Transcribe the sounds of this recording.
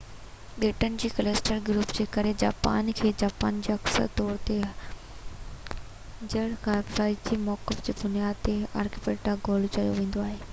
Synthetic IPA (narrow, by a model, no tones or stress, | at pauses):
ɗeːʈənɪ̆d͡ʑiːkɐlesʈəɾɡɾuːpd͡ʑeːkɐɾed͡ʑaːpa̰ːnkʰeːd͡ʑaːpa̰ːnd͡ʑeːɐksə̰ɾt̪ɔːɾt̪e | d͡ʑɐɽkʰãsaːid͡ʑimɔːkɪfd͡ʑiːbʊnijaːd̪̚t̪ea̰ːɾkɪpeːʈaɡoːlt͡ɕɐjoʋẽːnd̪oaːɦeː